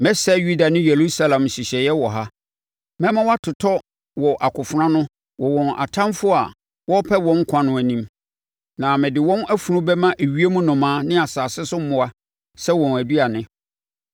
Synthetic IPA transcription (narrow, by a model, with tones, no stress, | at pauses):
mɛ̃˦sɛ˦ju˦da˨nɪ̃˦jɛ˨ɾu˦sa˦lã˨mɕi˨ɕɛ˨jɛ˦wɔ˨ɦa˦ | mɛ̃˦mã˦wa˦tʰʊ˨tʰɔ˦ | wɔ˨ʔa˨kʊ˨fʊ˨nã˦nʊ̃˦ | wɔ˨wɔ̃˨nʔa̰˨tʰã˦mfʊ˦a̰˨ | wɔ˦pʰɛ˦wɔ̃˦ŋ̩˦kʷʰã˦nʊ̃˦æ˨nĩ˦m | nã˨mɪ̃˨dɪ˨wɔ̃˦næ˦fu˨nʊ̃˦bɛ˦mã˦ʔæ˨ɥi˦e˦mũ˦nʊ̃˨mãː˨˦nɪ̃˦a˨saː˨sɪ˦sʊ˦m˦mʊ̃˦a˦ | sɛ˦wɔ̃˨næ˨du˦a˨nɪ̃˦